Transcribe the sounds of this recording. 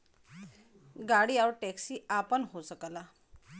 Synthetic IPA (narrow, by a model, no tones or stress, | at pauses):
ɡaɽiːawɾʈɛksiːapəɳɦosəkla